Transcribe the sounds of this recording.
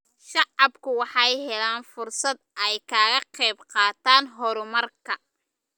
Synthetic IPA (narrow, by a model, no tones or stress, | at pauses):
ʃɑʕɑbkʰʊwɑħɑjɦɛlaːnfʊrsɐd̪̚ʔɛjkʰaːɣɐqɛjbqɑːt̪ʰaːnɦɔɾʊmɐrkʰɐ